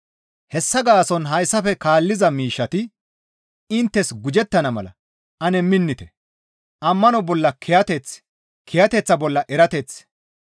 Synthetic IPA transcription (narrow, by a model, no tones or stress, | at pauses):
hɛsːɐɡaːsɔnɦɐjsːɐfɛkaːlːɪzɐmiːʃːɐt̪ɪ | ɪnt̪ːɛsɡʊd͡ʒɛt̪ːɐnɐmɐlɐ̰ | ʔɐnɛmːɪnːɪt̪ɛ | ʔɐmːɐnɔbɔlːɐkʰɛjɐt̪ɛt͡s | kʰɛjɐt̪ɛt͡sːɐbɔlːɐʔɛɾɐt̪ɛt͡s